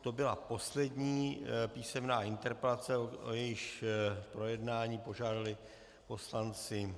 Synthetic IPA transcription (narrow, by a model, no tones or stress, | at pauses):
t̪o̞bɪlapo̞slɛdɲiːpiːsɛmnaːɪnt̪ɛɾpɛlat͡sɛoo̰jɛjɪʃpɾo̞jɛdnaːɲiːpo̞ʒaːdalɪ | po̞slant͡sɪ